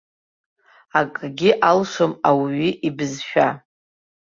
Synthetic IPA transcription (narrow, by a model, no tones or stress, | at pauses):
akʼɡʲɪʔalʂomawɥiʔibɨzʃᶣa